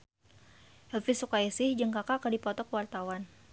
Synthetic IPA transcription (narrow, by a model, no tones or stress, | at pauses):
hɛlfisukaɛsɪhd͡ʒəŋkakakadipɔt̪ɔkəwart̪awan